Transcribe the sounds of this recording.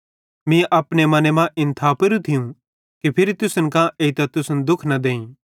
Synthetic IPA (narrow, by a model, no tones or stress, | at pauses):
mĩʔɐpnemɐnemãʔɪ̃nt̪ʰaːpɐɾũt̪ʰɪjũ | kipʰɪɾit̪ʊsənkãʔeːit̪at̪ʊsənd̪ʊkʰnɐd̪ẽːĩː